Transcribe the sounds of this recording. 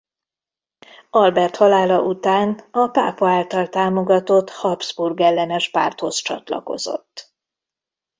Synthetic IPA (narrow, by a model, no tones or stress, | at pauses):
ɒlbɛrt̪hɒlaːlɒʔut̪aːnɒpaːpɒaːlt̪ɒlt̪aːmoɡɒt̪o̞t̪hɒbz̥burɡɛlːɛnɛʃpa̰ːrt̪ho̞st͡ʃɒ̰t̪lɒ̰ko̞̰zo̞̰t̪ː